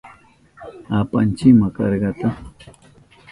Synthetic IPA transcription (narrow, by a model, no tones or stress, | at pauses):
apa̰nt͡ʃɪmakɑ̰ɾɢɑt̪a